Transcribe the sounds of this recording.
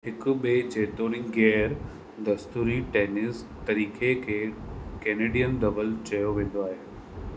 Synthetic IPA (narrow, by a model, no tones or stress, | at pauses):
ɦɪkʊ̆ɓeːt͡ɕeːt̪oːɽ̃ĩɡeːɾ | d̪ɐst̪uːɾiʈeːnɪs | t̪ɐɾiːkʰekʰeːkɛːneːɖijənd̪ɐʋəlt͡ɕɐjoʋẽːn̆d̪oaːɦeː